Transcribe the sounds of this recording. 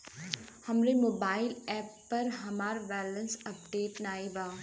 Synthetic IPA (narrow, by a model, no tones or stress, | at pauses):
hɐmɾemoːbaːɪlɛːpːɐɾɦɐmaːɾbɛːlə̃nsɐpɖeːʈnaːibaː